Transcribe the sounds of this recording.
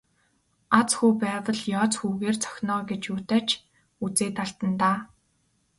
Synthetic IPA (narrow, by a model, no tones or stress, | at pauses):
at͡sxuːpæːwə̆ɮjɔːt͡sxuːɣeːrt͡sʰœ̥xʲnɔːɡet͡ɕjuːt̪æːt͡ɕʰ | ut͡seːt̪aɮt̪ə̆nt̪aː